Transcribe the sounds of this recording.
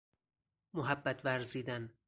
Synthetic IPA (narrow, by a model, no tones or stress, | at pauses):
moɦæbːæt̪ʰvæɾziːd̪æn